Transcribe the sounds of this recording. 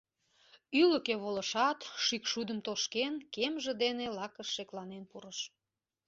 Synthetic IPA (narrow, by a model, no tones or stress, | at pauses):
yləkeβoləʃɑt̪ʃykʃud̪əmt̪oʃkenkemʒĕd̪enelɑkəʃːeklɑnenpuɾəʃ